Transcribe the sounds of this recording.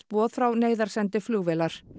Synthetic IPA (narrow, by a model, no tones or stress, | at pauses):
pɔːðfɾawneːjðaɾ̥sɛnt̪ɪflʏɣvɛːlaɾ̥